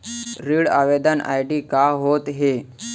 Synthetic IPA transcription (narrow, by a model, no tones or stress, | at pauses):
ɾiːɽa̰ʋed̪ʱəna̰jɖiːkaɦot̪ɦe